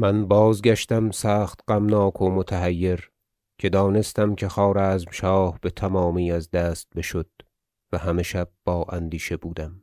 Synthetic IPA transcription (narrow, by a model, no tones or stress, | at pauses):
mænbɒːzɡæʃt̪æmsæːχt̪ɢ̥æmnɒːkʰomot̪ʰæɦæjːe̞ɾ | cʰe̞d̪ɒːne̞st̪æmcʰe̞xɒːɾæːzmʃɒːhb̥e̞t̪ʰæmɒːmiːæzd̪æːst̪̚be̞ʃod̪̥̚ | væhæme̞ʃæb̥̚bɒːʔænd̪iːʃe̞buːd̪æm